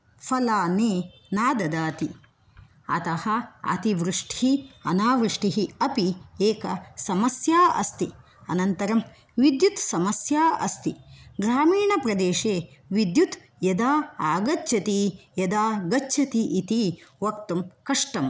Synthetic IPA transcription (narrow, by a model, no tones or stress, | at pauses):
fʰɐlaːneːnaːd̪ɐd̪aːt̪i | ɐ̰t̪ɐhɐɐ̰t̪iʋɾuʂʈiɦiɐ̰naːʋɾɨʂʈiɦiɐpieːkɐsɐmɐsjaːʔɐ̰st̪i | ɐ̰nɐnt̪ɐɾɐm | ʋid̪jut̪sɐmɐsjaːɐ̰st̪iɡɾaːmiːɳɐpɾɐd̪eːʂeːʋid̪jut̪ | jɐd̪aːaːɡɐt͡ʃːʃʰɐt̪ijɐd̪aːɡɐt͡ʃːʃʰɐt̪iʔit̪iʋɐkt̪umkɐʂʈɐm